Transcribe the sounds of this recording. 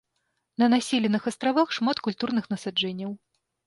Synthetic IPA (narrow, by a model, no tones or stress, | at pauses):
nɐnasʲilʲɛnɨxɐst̪ɾavaxʂmat̪kulʲt̪urnɨxnɐsad͡ʐɛnʲːɐw